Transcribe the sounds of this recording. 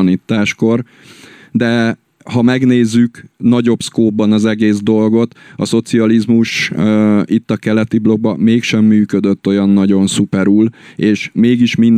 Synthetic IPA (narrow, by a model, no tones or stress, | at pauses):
niːt̪ːaːʃko̞r | d̪ɛ | hɒmɛɡneːzːyknɒɟo̞pskoːbːɒnɒzɛɡeːzd̪o̞lɡo̞t̪ɒso̞t̪siɒlizmuʃ | it̪ːɒkɛlɛt̪iblo̞ɡ̚bɒmeːkʃɛmːyːkød̪øt̪ːo̞jɒnːɒɟo̞nsupɛɾuːleːʃmeːɡiʃmin